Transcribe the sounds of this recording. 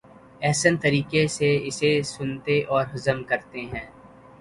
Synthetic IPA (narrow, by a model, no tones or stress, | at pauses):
ɛːɦsənt̪ɐɾiːkeseɪsesʊnt̪eʔɔːɾɦʊzəmkɐɾt̪eɦɛ̃ː